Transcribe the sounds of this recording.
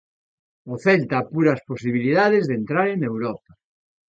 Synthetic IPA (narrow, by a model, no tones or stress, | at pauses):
oθɛlt̪aːpuɾɐsposiβ̞iliðaðezðent̪ɾaɾenewɾɔpa